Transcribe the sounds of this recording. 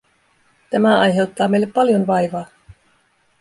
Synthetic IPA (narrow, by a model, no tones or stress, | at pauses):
t̪æmæɑjɦe̞wt̪ːɑːmejlːe̞pːɑljo̞nʋɑjʋɑː